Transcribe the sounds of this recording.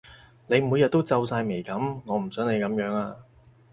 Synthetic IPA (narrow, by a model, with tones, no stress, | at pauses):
ne˨˧jmu˨˧jɐ˨t̚t̪ːo˥wt͡sɐ˧wsaː˧jme˨˩jkɐ˨˥mŋɔː˨˧m̩˨˩sœː˨˥ŋne˨˧jkɐ˨˧˥mjœː˨˥ŋaː˧